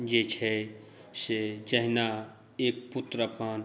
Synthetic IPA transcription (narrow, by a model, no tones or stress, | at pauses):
d͡ʒet͡ʃʰɛ | sed͡ʒəɦna | eːk̚pʊt̪ɾəpʰaːn